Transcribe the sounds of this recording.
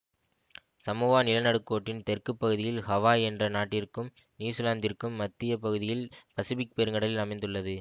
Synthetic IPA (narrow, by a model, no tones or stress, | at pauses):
sɐmuːʋaːnɪlɐnɐɽɯkːoːʈːɪnt̪ɛrkɯpːɐɣɯðɪjɪlhɐʋaːɛndrɐnaːʈːɪrkɯm | niːsɯlaːnd̪ɪrkɯmːɐt̪ːɪjɐpɐɣɯðɪjɪlpɐsɯʋɪk̚pɛɾɯŋɐɽɐlɪlɐmɐɪnd̪ɯɭːɐðɯ